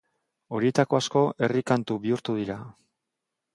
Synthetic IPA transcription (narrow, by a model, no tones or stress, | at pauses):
o̞ɾie̞t̪ako̞asko̞ʔe̞rikant̪uβiuɾt̪uðiɾa